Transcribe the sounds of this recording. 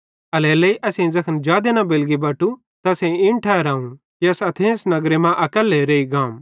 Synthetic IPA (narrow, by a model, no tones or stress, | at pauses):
ɐlɛːlɐiʔɐsẽzɐkʰənd͡ʒaːd̪enɐbeːlɡibɐʈu | t̪ɐsẽɪ̃ɳʈʰaɾãːũ | kiɐsɐt̪ʰẽːsnɐɡɾemãʔɐkəlːeɾeːiɡãːm